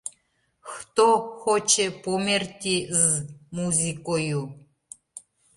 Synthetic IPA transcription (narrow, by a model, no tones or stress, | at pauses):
xt̪oxot͡ʃepomert̪ʲizmuzʲikoju